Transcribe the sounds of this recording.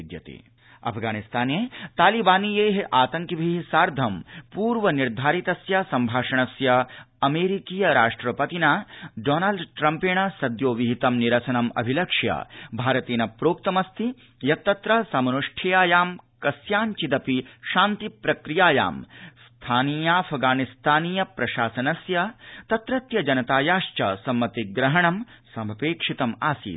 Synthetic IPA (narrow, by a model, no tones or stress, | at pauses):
d̪jɐt̪ḭ | ɐ̰pʰɡaːnist̪ʰaːneːt̪aːlibaːniːjeːɦʔaːt̪ɐŋkjɐbʱiɦsaːɾd̪ʱɐmpuːɾʋɐniɾd̪ʱaːɾit̪ɐsjɐsɐmbʱaːʂɐɳɐsjɐ | ɐmeːɾikiːjɐɾaːʂʈɾɐpɐt̪inaːɖoːnalɖʈɾɐmpeːɳɐsɐd̪joːʋiɦit̪ɐmniɾɐsɐnɐmɐ̰bʱilɐkʂjɐ̰bʱaːɾɐt̪iːnɐpɾoːk̚t̪ɐmɐst̪ʰi | jɐt̪ːɐt̪ɾɐsɐmɐnuʂʈʰijaːjaːmkɐsjaːnt͡ʃid̪ɐpiʃaːnt̪ipɾɐkɾijaːja̰ːmst̪ʰaːniːjaːfʰɡaːnist̪ʰaːniːjɐpɾɐʃaːsɐnɐsjɐt̪ɐt̪ɾɐt̪jɐd͡ʒɐnɐt̪aːjaːʃt͡ʃɐ̰sɐmːɐt̪iɡɾɐɦɐɳɐmsɐmɐpeːkʂit̪ɐmaːsḭː